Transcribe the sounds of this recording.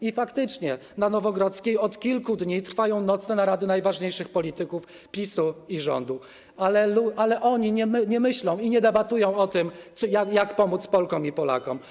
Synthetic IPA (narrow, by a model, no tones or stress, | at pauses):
ifakt̪ɘt͡ʂɲɛnanɔvɔɡɾɔt̪skʲejɔt̪kʲilkud̪ɲit̪ɾ̥fajɔ̃w̃nɔt̪snɛnaɾad̪ɘnajvaʐɲejʂɘxpɔlʲit̪ɘkuf | pʲisuiʐɔ̰nd̪u | alɛluʔalɛʔɔɲiɲɛmɲɛmɘɕlɔ̃w̃iɲɛd̪ɛbat̪ujɔ̃w̃ɔt̪ɘmɔjajakpɔmut̪spɔlkɔmipɔla̰kɔm